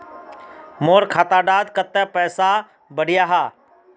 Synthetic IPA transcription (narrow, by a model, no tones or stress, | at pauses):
moːɾkʰaːt̪aːɖaːd̪kət̪ɛpɛːsa | bəɽ̤ɪjaɦaː